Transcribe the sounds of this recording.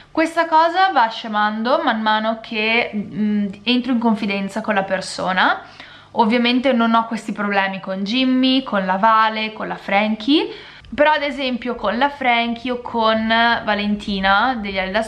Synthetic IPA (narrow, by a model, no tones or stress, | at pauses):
kwest̪akɔːzavaʃːemand̪omamːaːnokʰe | ent̪ɾoiŋkoɱfid̪ɛnt̪sakonlapersoːna | ovːjament̪enonɔkːwest̪ipɾoblɛːmikond͡ʒimːikʰonlavaːlekonlafɾɛŋkʰi | peɾɔad̪ezɛmpjokonlafɾɛŋkʰiokʰonvalent̪ʰiːnad̪eʎːaled̪a